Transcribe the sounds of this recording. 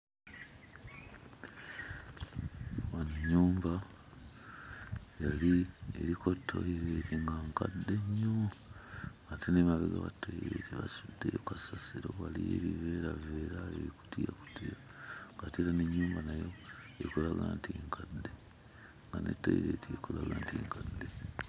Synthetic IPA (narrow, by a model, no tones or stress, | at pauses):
wanuɲːuːmba | jalieɾikʰo̞tʰːo̰iɾeːtiŋɡaŋkadːe̞ɲːo | atenemaβeɡa̰βatoiɾḛtiβasudːejokasasiɾoβalieɾive̞ɾaveːɾaeɾiku̥tijaku̥tʰia | ŋɡatiɾaneɲːuːmbanajo̞ | ekolaɡaːntiŋkʰadːe | ŋɡanḛtːo̰iɾeːtiekolaɡaːntiːŋkadːe